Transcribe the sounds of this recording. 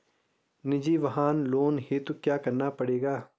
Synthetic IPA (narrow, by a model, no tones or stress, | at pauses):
nɪd͡ʒiːʋɐɦaːnloːnɦit̪okjaːkɐɾnapɐɽeːɡaː